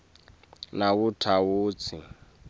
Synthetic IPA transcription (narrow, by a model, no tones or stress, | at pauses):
naβutʰawuːt͡sʰi